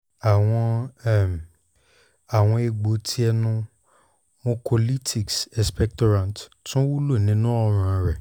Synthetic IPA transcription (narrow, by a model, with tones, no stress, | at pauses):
a˨w̃ɔ̃˧ɛ˦˨m˨ | a˨w̃ɔ̃˧e˧ɡ͡bo˨˦tʰi˦ɛ˧nũ˧ | mõ˦pʰo˧li˦tʰi˨ksɛ˨spɛ˧k̚tɔ˧ɾã˨nttũ˦wu˦lo˦˨nĩ˨˦nũ˦ɔ˧ɾ̃ã˨˧ɾɛ˨